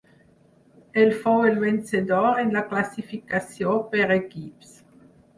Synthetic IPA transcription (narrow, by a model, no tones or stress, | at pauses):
elfoelvensed̪ɔʁenlaklasifikasjopeʁekips